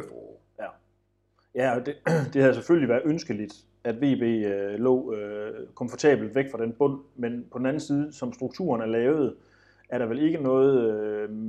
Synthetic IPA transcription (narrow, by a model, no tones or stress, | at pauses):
jæɒ̽d̥e̝d̥e̝hæðˠsefølliʋæːɐðˠønsɡ̥əlid̥ | æd̥ʋe̝̰ːb̥e̝̰ːlɔ̰ːøkʰɒ̽mfɒt͡sʰɛ̰ːb̥l̩d̥ʋeɡ̥fʁɑ̈d̥enb̥ɔ̽n̰menpʰɒ̽d̥n̩æn̩siːð̞̩ˠəsɒ̽msd̥ʁuɡ̥̚t͡sʰṵːɐnæɐlɛːʊð̞̩ˠ | æɐɾɑ̈ʋele̝ɡ̥ənɔ̽ːð̞̩ˠø